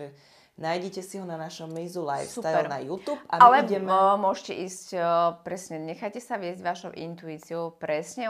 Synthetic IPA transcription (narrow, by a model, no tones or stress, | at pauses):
ɛ | najɟɛcɛsiɦɔnanaʃɔmːizula̰jfsfsut̪aɛɾnajuːt̪uːpaalɛɟɛmmʊɔʒcɛʔiːscpɾɛsɲɛɲɛxajcɛsaʋɪɛzɟʋaʃɔʊʔint̪uiːt͡siɔʊpɾɛsɲɛ